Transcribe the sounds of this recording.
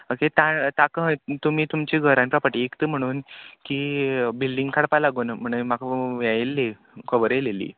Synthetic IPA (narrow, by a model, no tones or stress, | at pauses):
oket̪at̪akət̪um̤iːt̪umt͡ɕiɡʱəɾãnpɾapəʈiekt̪əːm̤əɽ̃uːnkiːbilɖiŋɡkʰaɽpalaɡuːnm̤əɳ̃əjmakəʋajelːe | kəʋəɾelelḭː